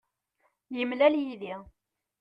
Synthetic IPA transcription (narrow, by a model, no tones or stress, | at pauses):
jəmlæljiði